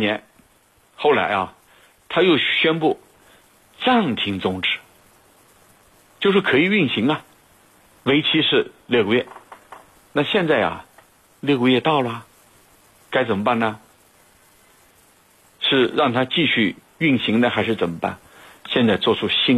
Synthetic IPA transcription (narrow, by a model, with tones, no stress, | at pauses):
njɛ˧˥n | xo˥˩ʊla̰˧˥ɪɐ˧˩ | t̪ʰa˥jo˥˩ʊɕɥɛ˥npu˥˩ | ʈ͡ʂa˥˩ŋt̪ʰi˧˥ŋt͡sʊ˧˥ŋʈ͡ʂɻ̩˧˥˩ | t͡ɕjo˥˧ʂɻ̩˥˩kʰɤ˧˥i˨˩y˥˩nɕi˧˥ŋɐ˧ | we˧˥ɪt͡ɕʰi˧˥ʂɻ̩˥˧ljɤ˥˧˩kə˥ɥɛ˥˩ | na˥˧ɕjɛ˥˧nt͡sa˥˩ɪɐ̰˨˩ | ljɤ˥˧kə˥˧ɥɛ˥˩t̪ɑ˥˩ʊlə˩˨˩ | ka˥ɪt͡sə˨˩nmə˦pa˥˩nnə˩ | ʂɻ̩˥˧ɻɑ˥˩ŋt̪ʰa˥t͡ɕi˥˧ɕy˥˧ | y˥˩nɕi˧˥ŋd̪ə˧xa˧˥ɪʂɻ̩˥˩t͡sə˨˩mə˦pa̰˥˩n | ɕjɛ˥˧nt͡sa˥˧ɪt͡swɔ˥˩ʈ͡ʂʰu˥ɕi˥n